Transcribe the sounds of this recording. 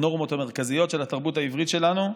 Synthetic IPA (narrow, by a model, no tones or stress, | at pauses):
no̞ʁmo̞t̪hame̞ʁkazijo̞t̪ʃe̞lat̪aʁbutaivʁit̪ʃe̞lanu